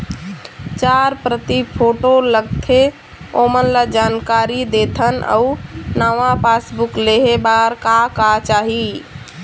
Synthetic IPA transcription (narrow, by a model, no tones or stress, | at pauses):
t͡ʃaɾpɾət̪ipʰoʈoləɡt̪ʰe | omənlad͡ʒankaɾid̪et̪ʰənə̰unaʋapasbukleɦebaɾkakat͡ʃaːɦi